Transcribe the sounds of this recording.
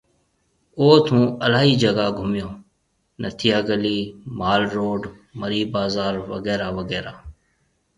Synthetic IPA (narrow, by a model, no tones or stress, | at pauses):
oːt̪ʰũːəlaːɦiːd͡ʒəɡaːɡʱʊmɪjõː | nʔə̰t̪ʰɪjaːɡəliːmaːlɾoːɖ | məɾiːbaːzaːɾʋə̰ɡɛːɾaːʋəɡɛːɾaː